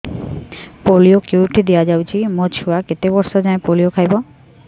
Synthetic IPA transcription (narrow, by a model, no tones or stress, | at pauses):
poliokewʈid̪ejad͡ʑawt͡ɕʰimot͡ɕuaket̪ebɔɾʃod͡ʑaepolijokʰajbo